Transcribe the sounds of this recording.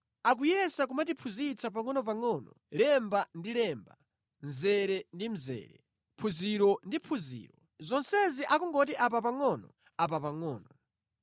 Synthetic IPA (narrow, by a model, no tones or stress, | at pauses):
akujɛsak̬umatipʰuzit͡sʰap̬aŋɔnɔp̬aŋɔːnɔ̰ | lɛmbandilɛmba̰ | nzɛɾɛndim̩zɛ̰ːɾɛ̰ | pʰuziɾɔndipʰuzḭːɾɔ | zɔnsɛziʔakɔŋɡɔtiʔapapaŋɔnɔ | apapaŋɔːnɔ